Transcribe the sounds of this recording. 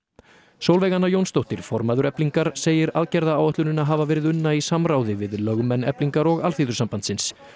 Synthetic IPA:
sowlvɛjɣanːajownst̪owht̪ɪɾ̥fɔɾmaːðʏɾɛpliŋkaɾ̥seːjɪɾaðcɛɾðaaːwɛht̪lʏnɪnaɦaːvavɛːɾɪðʏnːaisamɾaːwðɪvɪðlœɣmɛnɛpliŋkaɾɔɣalθiːðʏɾsampant̪sɪns

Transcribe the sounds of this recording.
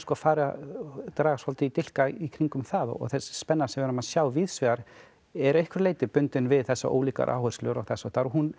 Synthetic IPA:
skɔːafaːɾɪat̪ɾaːɣasfɔlt̪ɪit̪ɪl̥kaikʰɾiŋkʏmθaðɔ̰ɔ̰θɛsspɛnːasɛmvɛɾamaðsjaːwviːðsvɛɣaɾ | ɛɾehkʰvʏɾleːjt̪ɪpʏnt̪ɪnvɪðθɛsːa̰ʔo̰ːwliːka̰ɾʔa̰ːwhœɾ̥slʏɾɔ̰ɣθɛsːat̪aːɾɔɦun

